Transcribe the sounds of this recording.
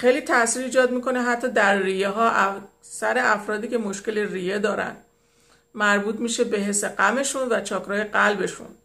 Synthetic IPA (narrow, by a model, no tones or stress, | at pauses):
xejliːt̪ʰæsiːɾiːd͡ʒɒːd̪miːkʰo̞ne̞ɦæt̪ʰːɒːd̪æɾːijeɦɒːʔæ | sæɾe̞æfɾɒːd̪iːce̞mo̞ʃce̞leriːjed̪ɒːɾæ̰nd̪̥ | mæɾbuːt̪ʰmiːʃe̞be̞ɦe̞se̞ɢæme̞ʃunvæt͡ʃʰɒːkʰɾɒːje̞ɢælbe̞ʃṵn